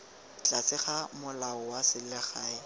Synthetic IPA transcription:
t͡ɬʼasɪχamʊlaʊwasɪlɛχaːɪ

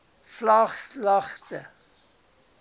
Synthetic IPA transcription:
flaχslɐχtə

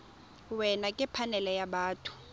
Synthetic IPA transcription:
wɛnakʼɛpʰanɛlɛjaɓaːtʰʼu̥

